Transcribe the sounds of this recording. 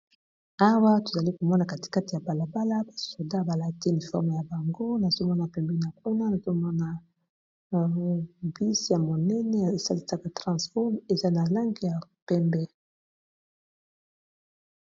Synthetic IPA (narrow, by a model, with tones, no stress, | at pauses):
a˦wa˦to˨za˨li˦ko˨mɔ˦na˨ka˨ti̥˨ka˦ti˨ja˨ba˨la˨ba˦la˦ba˨so˨da˦˨ba˨la˨te˦ni˨fɔ̰˦ʁm˨ja˨ba˨ŋɡo˦na˨zo˦mɔ˦na˨pɛ˨mbɛ˦na˨k̚u˦na˦na˨zo˦mɔ˦na˨ | bi˦sja˨mo˨nɛ˦nɛ˦˨sa˦li˦sa˦ka˨tʁɑ̃˨sfɔ˦me˨za˦na˨la˦ŋɡi˦ja˨pɛ˦mbɛ˦